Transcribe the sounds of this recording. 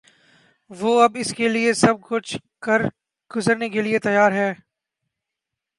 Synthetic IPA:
ʋoːɐbɪskeliesɐb̚kʊt͡ʃʰkɐɾ | ɡ̥ʊzəɾnekeliet̪ɐjaːɾɦɛː

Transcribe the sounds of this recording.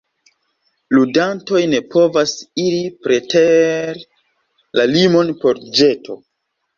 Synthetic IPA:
ludanto̞jne̞pʰo̞vasiɾipɾeteɾ | lalimo̞npo̞ɾd͡ʒetʰo̞̰

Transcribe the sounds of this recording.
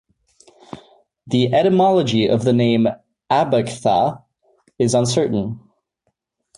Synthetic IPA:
ðiʔɛɾəmɑlˠəd͡ʒiʔʌvðənẽɪ̃m | æbəkθə̰ | ɪzə̃nsɜ˞ʔn̩

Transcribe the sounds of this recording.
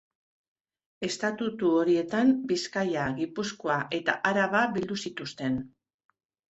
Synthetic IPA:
e̞st̪at̪ut̪uoɾie̞t̪ambiskajaɣipusko̞aʔe̞t̪a̰ʔaɾaβaβild̪usit̪ust̪e̞n

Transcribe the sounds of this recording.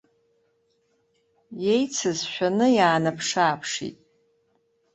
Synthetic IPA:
je̞jt͡sʰɨzʃᶣanɨjaːnɨpʰʂaːpʰʂḭtʼ

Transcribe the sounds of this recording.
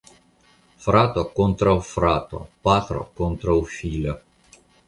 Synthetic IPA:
fɾaːt̪okont̪ɾaufɾaːt̪o̰paːt̪ɾo̰kont̪ɾaufiːlo

